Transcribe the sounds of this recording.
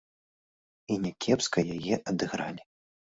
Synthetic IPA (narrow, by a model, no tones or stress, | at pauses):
inʲakʲʰɛpskɐjajɛʔɐd̪ɨɣɾa̰lʲi